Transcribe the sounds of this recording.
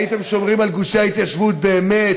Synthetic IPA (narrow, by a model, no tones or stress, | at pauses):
it̪e̞mʃo̞mʁimalɡuʃeait̪jaʃvut̪̚be̞ːmet